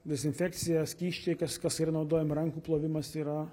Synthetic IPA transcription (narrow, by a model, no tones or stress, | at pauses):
d̪ʲɛsʲɪnʲfʲæːk̪sʲɪjɛskʲiːʃʲt͡ʃʲɛɪkɐskɐsɪɾɐnɒʊd̪oːjɛmɾɐŋkuːplˠoːʋʲɪmɐsiːɾɐ